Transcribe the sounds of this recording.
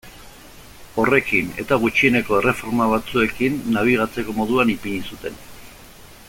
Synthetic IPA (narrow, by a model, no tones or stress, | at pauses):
o̞re̞kine̞̰t̪aɣ̞ut͡ʃie̞ne̞ko̞e̞re̞fo̞ɾmaβ̞at͡sue̞kinːaβ̞iɣ̞at͡se̞ko̞mo̞ð̞uanipiɲisut̪e̞n